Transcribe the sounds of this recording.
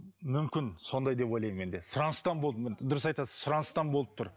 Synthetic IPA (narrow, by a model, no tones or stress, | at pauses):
mʏmkʲɪnso̞nd̪ɑjd̪e̞po̞jlˠɑjme̞nd̪e̞sʊɾɑnəst̪ɑnbod̪md̪ʊɾəsɑjt̪ɑsəz̥sʊɾɑnst̪ɑnbo̞lˠəp̚t̪ʰʊɾ